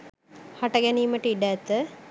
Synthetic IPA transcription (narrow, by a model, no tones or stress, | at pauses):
haʈəɡɛniːməʈəiɖæt̪ːə